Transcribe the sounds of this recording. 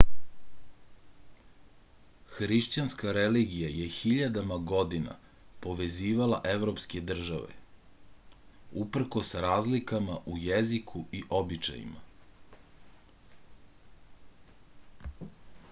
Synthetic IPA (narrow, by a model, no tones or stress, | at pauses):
xɾiʃt͡ɕanskaɾeliɡijajexiʎad̪amaɡo̞d̪ina̰ | po̞ʋe̞ziːʋala̰ʔeʋɾoːpsked̪r̩ʒa̰ʋḛ | upr̩ko̞sɾaːzlikamaʔujezikʰuiʔobit͡ʃa̰jḭma̰